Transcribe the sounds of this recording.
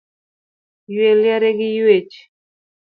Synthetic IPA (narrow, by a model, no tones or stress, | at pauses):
jweljaɾeɡɪjwet͡ʃ